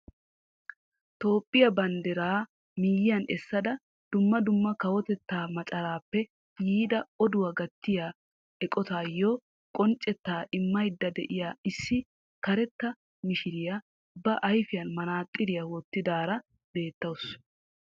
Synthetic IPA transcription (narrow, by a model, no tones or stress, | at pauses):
t̪o̞ːpʼːɪjɐbɐnd̪ɛɾaː | miːjɪjɐnʔɛsːɐd̪ɐ | d̪̥ʊmːɐd̪ʊmːɐkɐwɔt̪ɛt̪ːaːmɐt͡ʃʼɐɾaːpːɛ | jiːd̪ɐɔd̪ʊwaɡɐt̪ːɪjaː | ɛkʼɔt̪aːjo | kʼɔnt͡ʃʼːɛt̪ːaːʔɪmːɐjd̪ːɐd̪ɛʔɪjaːɪsːɪ | kɐɾɛt̪ːɐ | mɪʃɪɾɪja | bɐʔɐjfɪjɐnmɐnaːt̪ʼːɪɾɪjɐwɔt̪ːɪd̪aːɾɐ | be̞ːt̪ːɐwʊs